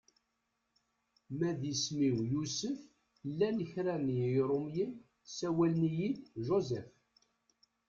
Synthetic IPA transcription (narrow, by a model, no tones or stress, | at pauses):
mæðismiwjusəf | lːænəçɾænjɾˤumjən | sæwælnijidʒozɛf